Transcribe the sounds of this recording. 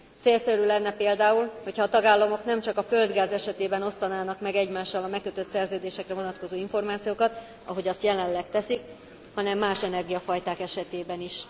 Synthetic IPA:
t̪seːlsɛɾylɛnːɛpeːld̪aːulho̞chɒːt̪ɒɡaːlːɒmo̞kn̪ɛmt͡ʃɒkɒfø̞ld̪ɡaːzɛʃɛt̪eːbɛno̞st̪ɒnaːnɒkmɛɡɛɟmaːʃːɒlɒmɛkːøt̪øt̪sɛrzøːd̪eːʃɛkrɛvo̞nɒt̪ko̞zoːiɱfo̞rmaːt̪sijoːkɒt̪ | ɒ̰ɦo̞ɟɒst̪jɛlɛllːɛkt̪ɛsik | hɒnɛmːaːʃɛnɛrɡijɒfɒjt̪aːkɛʃɛt̪eːbɛniʃ

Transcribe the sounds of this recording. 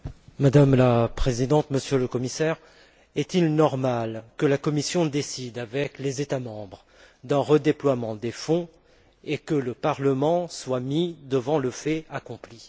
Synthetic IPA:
mad̪amlapχezid̪ɑ̃t̪məsjøləkɔmisɛʁ | ɛt̪ilnɔʁmalkəlakɔmisjɔ̃d̪esid̪avɛklezet̪amɑ̃bʁ | d̪ɛ̃ʁəd̪eplwamɑ̃d̪efɔ̃ | ekələpaʁləmɑ̃swamid̪əvɑ̃ləfɛakɔ̃pli

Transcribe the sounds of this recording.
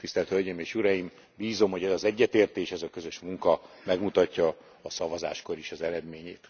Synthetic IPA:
t̪ist̪ɛlt̪hølɟeːmeːʃuɾɒjim | biːzo̞mho̞ɟɛzɒzɛɟːɛt̪eːrt̪eːʃɛzɒkø̞zø̞ʃmuŋkɒ | mɛɡmut̪ɒcːɒː | sɒvɒza̰ːʃko̞ɾeːʃɒzɛɾɛd̪meːɲeːt̪

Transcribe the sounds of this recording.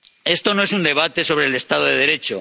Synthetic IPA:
e̞st̪o̞noe̞sund̪e̞β̞at̪e̞so̞βɾeːle̞st̪að̞oðeðe̞ɾe̞t͡ʃo

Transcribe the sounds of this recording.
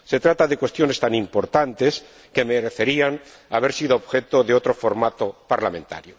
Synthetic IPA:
se̞t̪ɾat̪aðe̞kwe̞st̪jo̞ne̞st̪anĩmpo̞ɾt̪ant̪e̞s | ke̞me̞ɾeθe̞ɾiaŋ | aβe̞ɾsiðoːβxe̞t̪o̞ðeo̞t̪ɾo̞fo̞ɾmat̪opaɾlamẽ̞nt̪a̰ɾjo

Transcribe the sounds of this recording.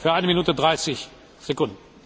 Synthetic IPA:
fyɐʔaɪnəminuːtədʁaɪsɪç | z̥ekʊndn̩

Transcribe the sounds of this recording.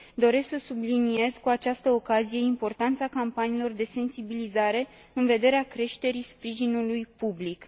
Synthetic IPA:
d̪o̞ɾe̞sksəsublinie̞z̥kuat͡ʃast̪əokazije̞impo̞rt̪ant̪sakampaniːlo̞rd̪e̞se̞nsibilizaɾe̞ | ɨnve̞d̪e̞ɾeakɾe̞ʃt̪e̞ɾispɾiʒinulujpublik

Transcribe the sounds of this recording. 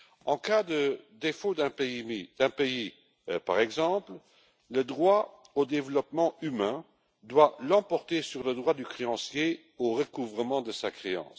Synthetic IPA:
ɑ̃kad̪əd̪efod̪ɛ̃peiid̪̥ɛ̃pei | pa̰ʁɛɡzɑ̃pl | ləd̪ʁwa | od̪evlɔpmɑ̃ymɛ̃ | d̪walɑ̃pɔʁt̪esyʁləd̪ʁwad̪ykχeɑ̃sje | oʁəkuvʁəmɑ̃d̪əsakχeɑ̰̃s

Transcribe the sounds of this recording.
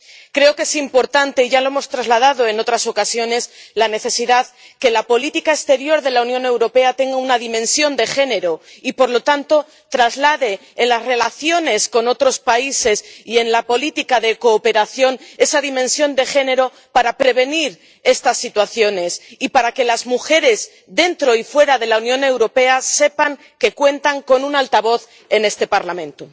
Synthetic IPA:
kɾe̞o̞ke̞simpo̞ɾt̪ant̪e̞iʝalo̞e̞mo̞st̪ɾazlaðaðoe̞no̞t̪ɾaso̞kasjo̞ne̞slane̞θe̞siðað | ke̞lapo̞lit̪ikaekst̪e̞ɾjo̞ɾðe̞launjõ̞ne̞wɾo̞pe̞at̪e̞ŋɡaunaðimẽ̞nsjo̞nd̪e̞xe̞ne̞ɾo̞ipo̞ɾlo̞t̪ant̪o̞ | t̪ɾazlaðe̞ːnlasre̞laθjo̞ne̞sko̞no̞t̪ɾo̞spaise̞sie̞nlapo̞lit̪ikaðe̞ko̞ːpe̞ɾaθjo̞ne̞saðimẽ̞nsjo̞nd̪e̞xe̞ne̞ɾo̞ | paɾapɾe̞β̞e̞niɾ | e̞st̪asːit̪waθjo̞ne̞sipaɾake̞lazmuxe̞ɾe̞z | ðe̞nt̪ɾo̞ifwe̞ɾaðe̞launjõ̞ne̞wɾo̞pe̞ase̞paŋ | ke̞kwe̞nt̪aŋko̞nunalt̪aβ̞o̞θ | e̞ne̞st̪e̞paɾlamẽ̞nt̪o

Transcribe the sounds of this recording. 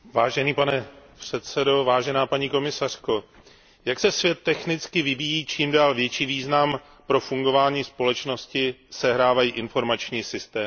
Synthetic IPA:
vaːʒɛniːpanɛpr̝̥ɛt̪sɛdo̞vaːʒɛnaːpaɲiːko̞mɪsar̝̥ko̞ | jaksɛsvjɛt̪ːɛxnɪt͡skɪvɪviːjiːt͡ʃiːmdaːlvjɛt͡ʃiːviːznam | pɾo̞fuŋɡo̞vaːɲiːspo̞lɛt͡ʃno̞scɪsɛɦɾaːvajiːʔɪnfo̞ɾmat͡ʃɲiːsɪst̪ɛː

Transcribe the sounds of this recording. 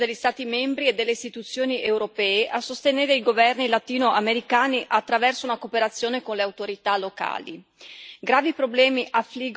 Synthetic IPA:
d̪elʎːist̪aːt̪imɛmbɾied̪ːelːeist̪it̪ut̪sːjoːniʔewɾopɛːeʔasːost̪eneːɾeiɡovɛrnilat̪iːnoʔameɾikaːniʔat̪ːɾavɛrsounakopeɾat̪sːjoːnekonleawt̪oɾit̪aloka̰ːlḭ | ɡɾaːvipɾoblɛːmiʔafːliɡ

